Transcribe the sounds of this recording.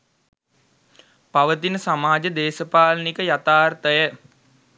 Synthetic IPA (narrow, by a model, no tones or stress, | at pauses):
paʋət̪inəsamaːd͡ʒəd̪eːsəpaːlənikəjat̪aːrt̪əjə